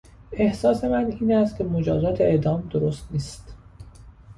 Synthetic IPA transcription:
e̞hsɒːse̞mæniːnæst̪̚cʰe̞mod͡ʒɒːzɒːt̪ʰeed̪ɒːmd̪oɾost̪niːst̪

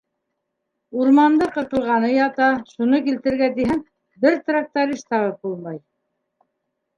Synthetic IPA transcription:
uɾmɑnd̪ɤqɤ̆t̪ɤ̆lˠʁɑnɤjɑt̪ɑʃunɤkilt̪ɘ̆ɾɡæt̪̬iɦæŋ | bɘɾt̪rak̚t̪aɾiʃt̪ɑʁɤp̚bulˠmɑj

